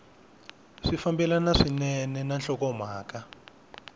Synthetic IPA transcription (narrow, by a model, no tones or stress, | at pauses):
ʂifambɛlanaʂinɛnɛnanɬɔkɔm̤aːka